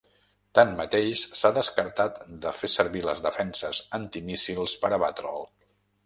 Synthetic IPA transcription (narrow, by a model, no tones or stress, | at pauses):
t̪anmət̪eʃʃsaðəskəɾt̪at̪d̪əfesəɾβilə̰zðəfɛnsəzənt̪imisilˠspəɾəβat̪ɾə̰lˠ